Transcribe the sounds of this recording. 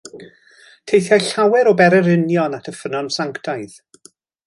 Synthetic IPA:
tʰejθjaɬawɛɾɔbɛɾɛɾɪnjɔnatʰəfənɔnsaŋktʰaɨð̥

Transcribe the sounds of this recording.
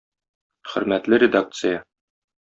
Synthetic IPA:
χɵ̆ɾmæt̪lɘɾʲɪd̪ak̚t̪sɨja

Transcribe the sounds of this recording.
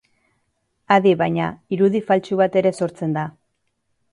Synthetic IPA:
aðiβajɲaiɾuðifalt͡ʃuβat̪e̞ɾe̞so̞ɾt͡se̞nd̪a

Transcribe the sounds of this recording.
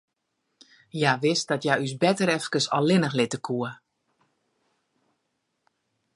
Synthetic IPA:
jaʋɪst̚dɔtjajysbɛtəɾɛfkəsɔlˠɪnəxlɪtəkʰuə

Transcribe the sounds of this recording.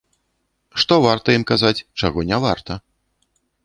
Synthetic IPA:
ʂt̪ɔvart̪ɐjimkazat͡sʲt͡ʂaɣɔnʲɛvart̪ɐ

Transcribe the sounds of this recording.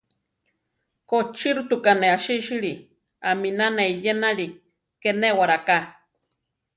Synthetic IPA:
kot͡ʃiɾut̪ukaneaʃiʃiɾi | aminaneijenaɺi | kenewaɾaka

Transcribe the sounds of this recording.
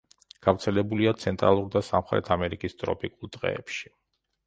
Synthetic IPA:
ɡ̥afɾt̪sʰɛlɛbuliat̪sʰɛnt̪ʼɾa̰lˠuɾd̪asa̰mχɾɛ̰t̪ʰamɛɾikʼist̪ʼɾɔ̰pʼikʼulˠd̪ʁɛ̰ːpʃi̥

